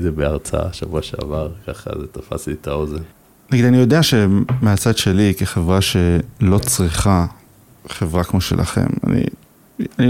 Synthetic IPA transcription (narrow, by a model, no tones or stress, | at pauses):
zebeaʁt͡sa̰ʃavuoaʃa̰vaʁkaχa̰zet̪afa̰sit̪ao̞zen | naɡid̪anijo̞deaʃe̞meat͡sad̪ʃe̞likeχevʁaʃe̞lo̞t͡sʁiχa | χe̞vʁakmo̞ʃe̞̰lʔa̰χe̞̰ma̰nḭ | ani